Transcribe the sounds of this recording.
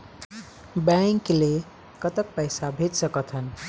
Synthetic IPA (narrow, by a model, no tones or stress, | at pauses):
baŋkle | kʌt̪ək̚pʌjsabʱed͡ʒsʌkʌt̪ʰʌn